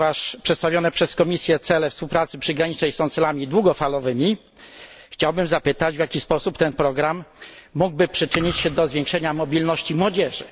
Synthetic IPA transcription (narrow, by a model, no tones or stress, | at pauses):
vaʂpʂɛt̪st̪avʲjɔnɛpʂɛskɔmʲisʲjɛt̪sɛlɛfspuwpɾat̪sɘpʂɘɡɾaɲit͡ʂnɛjsɔ̃w̃t̪sɛlamʲid̪wuɡɔfalɔvɘmʲi | xt͡ɕawbɘmzapɘt̪ad͡ʑvʲjakʲispɔsupt̪ɛnpɾɔɡɾamːuɡbɘpʂɘt͡ʂɘɲit͡ɕɕɛd̪ɔzvʲjẽŋkʂɛɲamɔbʲilnɔɕt͡ɕimwɔd͡ʑɛʐɘ̰